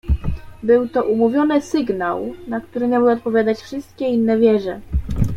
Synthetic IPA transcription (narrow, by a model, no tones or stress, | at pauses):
bɘwt̪ɔʔumuvʲjɔnɘsɘɡnawnakt̪uɾɘmʲabɘɔt̪̚pɔvʲjad̪at͡ɕfʂɘst̪kʲɛinːɛvʲjɛʐɛ